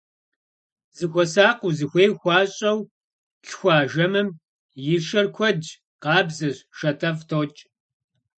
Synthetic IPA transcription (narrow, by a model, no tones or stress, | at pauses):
zɨxʷɔsaːquzɨxʷeːjxʷɑːɕʼɐw | ɬxʷɑːʒɐmɨm | jɪʃɐrkʷʰɔd | qɑːbzɐɕʃɐtʰɐftʰoːt͡ʃʼ